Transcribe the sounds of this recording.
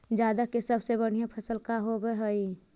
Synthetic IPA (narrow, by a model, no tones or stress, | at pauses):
d͡ʒjaːd̪akesəbsebəɽ̤ijãpʰəsəlkaɦobəɦəi